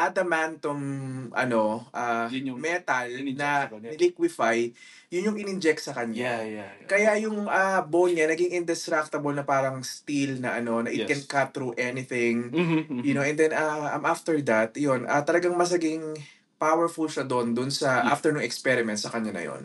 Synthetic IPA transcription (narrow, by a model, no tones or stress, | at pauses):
ʔɐd̪̚ɐmant̪omʔɐ̰no̞ʔamɛt̪ɐlnɐɪlikwɪfaj | jʊnjʊŋɪnɪnd͡ʒɛk̚t̪sɐkɐɲːakɐjajʊŋʔɐbonɲanɐɡiŋɪnd̪ɛst̪ɾak̚t̪ɐbolnɐpaːɾɐŋst̪ilnɐʔɐno̞nɐʔɪkɛnkat̪̚θɾuʔɛnɪθɪ̃ŋjʊnoʔɛnd̪ɛnɐaʔɐmʔaft̪ɛɹd̪at̪̚jonʔɐt̪ɐlɐɡaŋmɐs̬nɐɡɪŋ | pawɛɹfʊlʃɐd̪ond̪ʊnsɐʔaft̪ɛɹnʊŋɛkspɛɾɪmɛnt̪̚sɐkɐɲːanɐ̰jo̰n